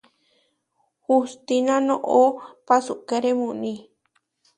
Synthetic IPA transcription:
hust̪inãnõʔopasukeɾemũnĩ

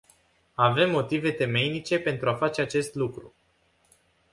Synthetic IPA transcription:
ave̞mːo̞t̪ive̞t̪e̞me̞jnit͡ʃe̞pe̞nt̪ɾuafat͡ʃe̞at͡ʃe̞st̪lukɾu

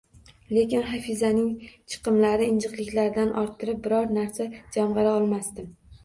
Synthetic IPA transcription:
le̞kʲɪnχafizanɪŋt͡ʃʰɨ̥qʰɨmlaɾɪɪnd͡ʒɨqlɪkʲlaɾd̪anʔɒɾt̪ʰːɪɾɪp̚bɪɾɒɾnaɾsad͡ʒamʁɑɾaɒlˠmast̪ɪm

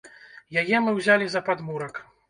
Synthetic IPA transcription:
jajɛmɨwzʲalʲizɐpad̪muɾɐk

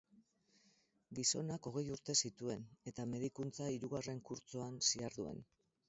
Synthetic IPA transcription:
ɡiso̞nako̞ɣ̞e̞juɾt̪e̞sit̪ue̞ne̞t̪ame̞ð̞ikunt͡saiɾuɣare̞ŋkuɾt͡so̞ansiaɾðue̞̰n

